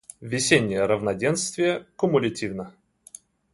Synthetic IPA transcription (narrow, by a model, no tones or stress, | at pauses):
vʲɪsʲenʲːɪjəɾəvnɐdʲenst̪vʲɪjəkʊmʊlʲɪtʲivnə